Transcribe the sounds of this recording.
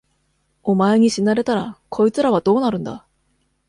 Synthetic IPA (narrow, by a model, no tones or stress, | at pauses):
o̞mae̞ɲ̟iɕinaɾe̞t̪aɾakʰo̞it͡sɨɾaβad̪o̞ːnaɾɯ̟̃nd̪a̰